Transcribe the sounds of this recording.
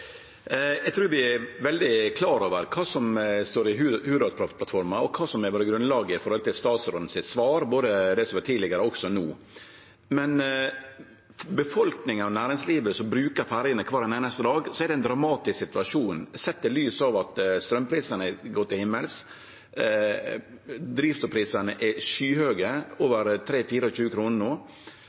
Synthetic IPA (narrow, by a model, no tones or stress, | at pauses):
jæɪɡt̪ʰɾʉːɾʋɪɛʋɛld̪ɪkʰlɑːɾoːʋəɾkʰɑːsɔmst̪oːɾɪɦhʉːɾɑpʰlɑt̪fɔɾmɑɔkʰɑːsɔmɛʋɑːɾəɡɾʉnlɑːɡəɪfɔɾhɔlt̪ɪlst̪ɑːt̪sɾɔd̪n̩sɪt̪sʋɑːɾboːd̪əd̪ɛsɔmʋɑtʰiːd̪lɪɡəɾəɔksɔnuː | mɛn | bəfɔlknɪŋənɑʋnæːɾɪŋsliːʋəsɔmbɾʉːkəɾfæɾjənəkʰʋɑːɾɛneːnəst̪əd̪ɑːɡsɔɛɾdɛnd̪ɾɑmɑːt̪ɪsksɪt̪ʉɑʂuːnsɛt̪ːəlyːsɑʋɑt̪st̪ɾœmːpʰɾiːsənəɛɡɔt̪ːɪlhɪmːəls | d̪ɾiːfst̪ʊːpʰɾiːsənəʔɛʃyːhøːɡəoːʋəɾt̪ʰɾeːfiːɾəɔçʉːəkʰɾuːnənoː